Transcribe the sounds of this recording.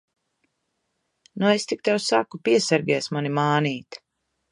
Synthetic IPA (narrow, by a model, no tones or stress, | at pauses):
nuest̪ik̚t̪ɛwsa̰kupiɛsɛɾɡʲɛːsmanimaːniːt̪